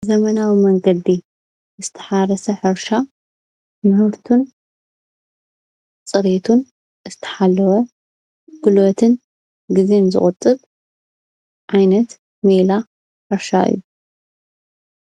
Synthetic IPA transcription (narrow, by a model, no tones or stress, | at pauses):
zɐmɐnawimɐŋɡɐd̪i | ɨzɨt̪ʰɐ̥ħaɾɐsɐħɨɾʃa | mɨhɨɾt̪ʰun | t͡sʼɨɾet̪ʰun | ɨzɨ̥t̪ʰɐ̥ħalːɐwɐ | ɡulwɔt̪ʰɨn | ɡɨzenzɨ̰χʼʊt̪ʼːɨβ | ʕajnɐt̪ | mela | ħɨɾʃa̰ʔɨ̰jːu